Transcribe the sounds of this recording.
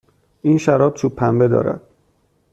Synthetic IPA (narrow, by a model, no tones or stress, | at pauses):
iːnʃæɾɒːb̥̚t͡ʃʰupʰːæmbe̞d̪ɒ̰ːɾæ̰d̪̥̚